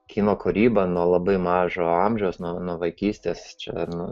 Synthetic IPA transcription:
kʲʰiːnoːkʊɾʲiːbɐnuɔlˠɐbɐɪmɑːʒoːɑmʲʒʲɛʊsnuɔnuɔʋɐɪkʲiːsʲt̪ʲeːst͡ʃʲɛ̰nʊ

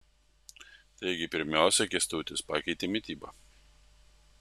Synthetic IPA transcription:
t̪ɐɪɡʲɪpʲɪɾʲmʲæˑʊsʲɛkʲɛst̪uːt̪ʲɪspɑːkʲɛɪt̪ʲemʲɪt̪ʲiːbɐ

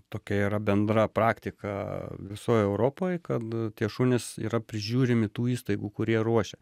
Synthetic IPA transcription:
t̪oːkʲɛiːɾɐbʲɛnd̪ɾɐpɾɑːkt̪ʲɪkɐ̰ʋʲɪsoːjɛʊɾoːpoːjkɐt̪t̪ʲiɛʃʊnʲɪsḭːɾɐpʲɾʲɪʒʲuːɾʲɪmʲɪt̪uːiːst̪ɐɪɡuːkʊɾʲiɛɾuɔʃʲɛ

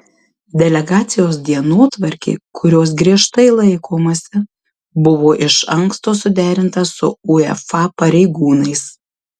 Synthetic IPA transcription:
d̪ʲɛlʲɛɡɑːt̪sʲɪjoːsd̪ʲiɛnoːt̪ʋɐɾʲkʲḛːkʰʊɾʲoːs̬ɡɾʲiɛʃt̪ɐɪlˠɐɪkoːmɐsʲɪ | bʊʋoːʔɪʃɐŋkst̪oːsʊd̪ʲæːɾʲɪnt̪ɐsʊ̰ʊɛ̰fɑpɐɾʲɛɪɡuːnɐɪs

